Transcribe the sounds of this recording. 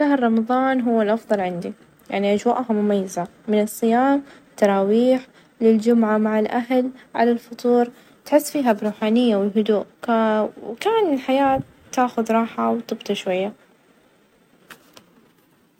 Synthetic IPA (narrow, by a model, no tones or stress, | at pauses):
ʃaɦɾɾˤɑmɑðˤɑːnɦʊwːɪlʔɑfðˤɑlʕɪnd̪i | jaʕniʔad͡ʒwa̰ːʔhamʊmajːɪzamɪnɨsˤːɨjaːmt̪ːɑɾˤɑːwiːħ | lɪld͡ʒʊmʕamaʕɪlʔaɦlʕa̰lalfɑt̪ˤuːɾˤ | t̪ħɪsːfiːɦabɾuːħaːnɪjːawɪlɦʊd̪uːʔ | wkaːnɪlħajaːtː | aːxʊðɾˤɑːħawt̪ˤɨbt̪ɑʃwajːa